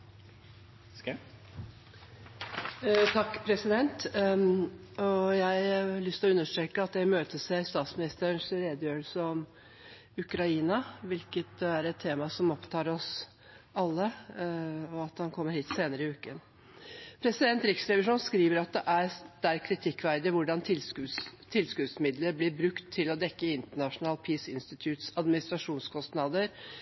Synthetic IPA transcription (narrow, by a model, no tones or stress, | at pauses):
t̪ʰɑkːpʰɾɛsɪd̪ɛnt̪ | ɔjæɪɑɭʏst̪lɔʉnːəʂʈɾeːkːəɑt̪d̪æɪmøːt̪əsɛst̪ɑːt̪smɪnɪst̪əɳsɾeːd̪ɪøːlsəɔm | ʉkɾɑiːnɑʋɪlkət̪̚d̪ɛæɾɛt̪ʰːeːmɑsɔmɔpt̪ʰɑːɾɔs | ɑlːə | ɔɑt̪hɑnkʰɔmːəɾhiːt̪seːnəɾəɪʉːkən | pʰɾɛsɪd̪ɛnt̪ɾɪksɾɛʋɪʂuːnskɾiːʋəɾɑt̪̚d̪ɛʔæɾd̪̥ɛæɾkʰɾɪt̪ʰɪkːʋæɾd̪əʋʊɖɑnt̪ʰɪlsʉt̪ʰɪlskʉd̪smɪd̪ləɾblɪɾbɾʉkt̪ʰːɪlɔd̪ɛkːəɪnt̪əɳɑʂʊnɑːlpʰiːsɪ̰nst̪ɪt̪ʰjʉːt̪sɑd̪mɪnɪst̪ɾɑʂuːnskʰɔst̪nɑd̪əɾ